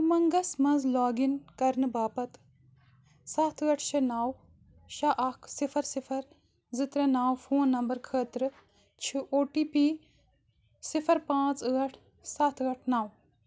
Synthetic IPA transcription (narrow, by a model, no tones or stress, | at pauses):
mɐŋɡɐsmɐnzlaːɡinkɐɾnɨbaːpɐt̪ | saːt̪ʰɨɐʈʰʃɐnaːw | ʃaʔɐkʰsifʰɐɾsipʰɐɾ | zɨt̪ɾɐnaːwfoːnːɐmbɐɾkʰəːt̪ɾɨ | t͡ʃʰiʔoːʈiːpiː | sifʰɐɾpãːt͡səɐʈʰ | saːt̪ʰːɐʈʰnaːw